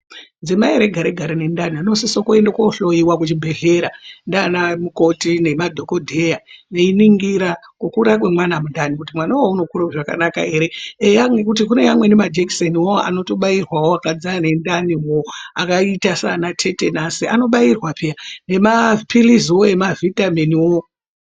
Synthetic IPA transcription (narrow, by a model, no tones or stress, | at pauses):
d͡zemaeɾe̞ɡʱaɾeɡʱaɾine̞ndanianosisokue̞ndakoɬo̞jiwakut͡ʃibʱe̞ɮe̞ɾandaːnamuko̞tine̞madʱo̞ko̞dʱe̞janeiniŋɡiɾakwokuɾak̬we̞mwanamundanikutimwanawouno̞kuɾaʐaka̰nakae̞ɾe̞ejaŋwekut̬ikune̞jamwe̞nemad͡ʒekseniwo̞a̰no̞to̞ɓairwawoakad͡zane̞ndaniwoakaitasa̰nat͡ʃe̞te̞nasiʔano̞ɓairwapijane̞mapiliziwoe̞mavʱitameniwo